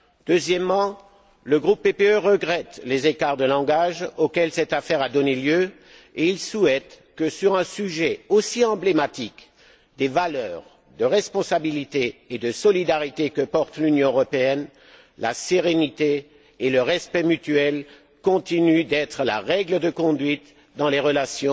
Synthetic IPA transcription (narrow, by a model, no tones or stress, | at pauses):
d̪øzjɛmːɑ̃ | ləɡʁupːepeøʁəɡʁɛt̪lezekaʁd̪əlɑ̃ɡaʒokʲɛlsɛt̪afɛʁad̪ɔneljø | eilsuɛt̪ | kəsyʁɛ̃syʒɛosiɑ̃blemat̪ik | d̪evalœʁ | d̪əʁɛspɔ̃sabilit̪eːd̪əsɔlid̪aʁit̪ekəpɔʁt̪lynjɔ̃øʁɔpeɛn | la̰seʁenit̪eː | ləʁɛspɛmyt̪ɥɛl | kɔ̃t̪inyd̪ɛt̪χəla̰ʁɛɡləd̪əkɔ̃d̪ɥit̪ | d̪ɑ̃leʁəlasjɔ̃